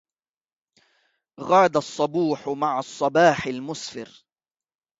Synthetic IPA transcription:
ɣɑːd̪asˤːɑbuːħmaʕɑsˤːɑbaːħɪlmʊsfɪ̰ɾ

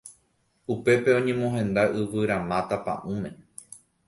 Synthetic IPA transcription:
upe̞pe̞õ̞ɲẽ̞mõɦẽ̞nd̪aʔɨʋɨɾãmãt̪apã̰ʔũmẽ̞

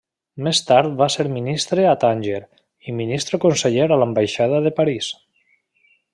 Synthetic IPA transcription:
mest̪aɾt̪̚baseɾminist̪ɾeat̪anʲʒeɾ | iminist̪ɾekonseʎeɾalambajʃaðaðepaɾis

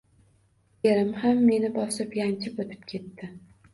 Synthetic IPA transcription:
jeɾɪmhamːe̞nɪbɒsɪpjant͡ʃʰɪpot̪ʰɪ̥p̚kʲʰe̞t̪ːɪ

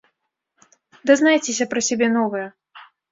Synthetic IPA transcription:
d̪ɐznajt͡sʲesʲɐpɾɐsʲabʲɛnɔvɐjɐ

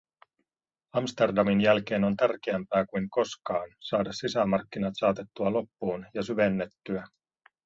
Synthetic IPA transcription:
ɑmst̪e̞rdɑminjælk̟e̞ːno̞nt̪ærk̟eæmpæːkujŋko̞skɑːnsɑːdɑssisæmɑrk̟ːinɑt̪sɑːt̪e̞t̪ːuɑlo̞pːuːnjɑsyʋe̞nːe̞t̪ːyæ

